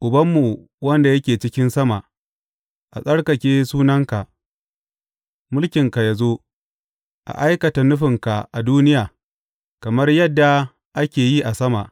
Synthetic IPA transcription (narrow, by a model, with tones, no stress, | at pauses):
ʔʊ˨bɐ˦mːu˨ | wɐ˦nda˨jɐ˦kʲeː˨t͡ʃɪ˦kʲɪ˦nsɐ˦ma˨ʔ | ʔa̰˨sʼɐ˦ɽkɐ˨kʲeː˦suː˦nɐ˦ŋka˨ʔ | mʊ˦lkʲɪ˨ŋka˨ja˨zo˦ | ʔa̰˨ʔa˦jkɐ˨ta˨nʊ˦ɸɪ˨ŋka˨ʔa˨duː˦nɪ˦jaː˨ | kɐ˨mɐ˦rjɐ˦dːa˨ | ʔa˦kʲeː˨ji˦ʔa˨sɐ˦ma˨ʔ